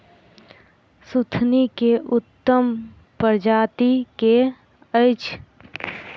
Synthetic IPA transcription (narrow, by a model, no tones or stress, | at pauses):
sut̪ʰnikeʔʊt̪ːəm | pəɾd͡ʒaːt̪ike | əɪt͡ʃ